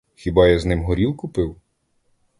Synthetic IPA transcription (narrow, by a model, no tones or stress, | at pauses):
xʲibɑjɐznɪmɦɔɾʲilˠkʊpɪw